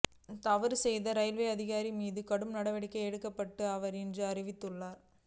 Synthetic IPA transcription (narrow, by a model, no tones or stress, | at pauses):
t̪ɐʋɐɾsɛjðɐɾɐjlʋeɐðɪɣaːɾimiːðɯkɐɽɯmnɐɽɐʋɐɽɪkːɐɪɛɽɯkːɐpːɐʈːɯɐʋɐɾɛndrɯɐrɪʋɪt̪ːɯɭːaːɾ